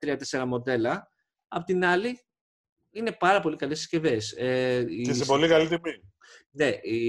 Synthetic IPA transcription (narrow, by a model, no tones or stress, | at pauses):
t̪ɾiɐt̪e̞se̞ɾɐmo̞d̪e̞lɐ | ɐpo̞t̪inɐli | ine̞pɐɾɐpo̞likɐlessce̞ve̞seiesepo̞likɐlit̪imi | ne̞ʔi